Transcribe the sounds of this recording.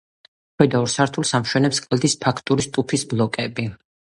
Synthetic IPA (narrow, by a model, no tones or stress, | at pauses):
χʰwɛd̪aɔɾsaɾt̪ʰulˠsamʃwɛnɛpskʼlˠd̪ispʰakʰt̪ʼuɾist̪ʼupʰisblˠɔkʼɛbi